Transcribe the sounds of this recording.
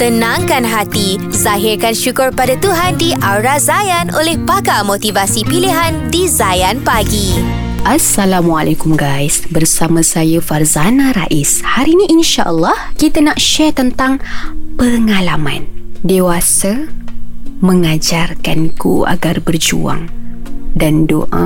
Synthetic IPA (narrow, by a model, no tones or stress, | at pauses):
t̪ənãŋkanɦat̪izaɦirkanʃukʊrpadat̪uɦandiʔaɾazajanʔolɛhpakamot̪ivasipiliɦandizajanpaɡi | ʔasːalamwalʔakumɡajsbərsamãsajəfarzanaɾa̰ʔishaɾiniʔinʃaʔəlːɑhkit̪anaʔʃɛt̪ənt̪aŋpəŋalamandewasa | məŋad͡ʒarkankṵa̰ɡarbərd͡ʒṵa̰ŋdando̰ʔa̰